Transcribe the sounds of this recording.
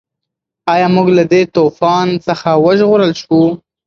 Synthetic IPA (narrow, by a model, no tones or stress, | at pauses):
ɑjɑmuɡlad̪et̪ofɑnsəxawəʒɣoɾəlʃu